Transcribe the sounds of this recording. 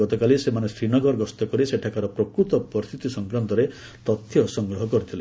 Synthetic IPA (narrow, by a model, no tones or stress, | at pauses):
ɔt̪ɔkalisemanesɾinɔɡɔɾɡɔst̪ɔkɔɾiseʈʰakaɾɔpɾɔkɾut̪ɔpɔst̪it̪isɔŋkɾant̪ɔɾe | t̪ɔt̪ʰːjɔsɔŋɡɾɔɦɔkɔɾit̪ʰile